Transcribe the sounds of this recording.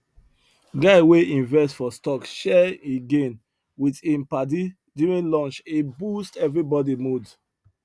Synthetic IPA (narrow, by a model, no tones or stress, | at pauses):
ɡaɪweĩnvɛstfɔstɔkʃɛeɡẽn | witĩmpadi | diɹĩlɔ̃nt͡ʃebustɛvɹibɔdimud